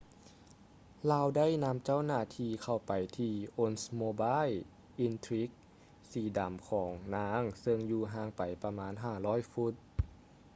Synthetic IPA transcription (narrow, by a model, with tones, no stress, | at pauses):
laː˧wda˥˨jna˧˥mt͡ɕa˥˩˨wnaː˧˩t̪ʰiː˧kʰa˧˩wpa˨˩jt̪ʰiː˧ʔo˧˥nsmoː˧baː˧˥˨j | ʔi˧nt̪ʰɾi˦˥k̚ | siː˨˩da˨˩mkʰɔː˩˦ŋnaː˧˥ŋsɤ˧ŋjuː˧ɦaː˧˥˩ŋpa˨jpa˧maː˧˥˨nɦaː˧˩lɔː˧˥˨jfu˦˥t̪̚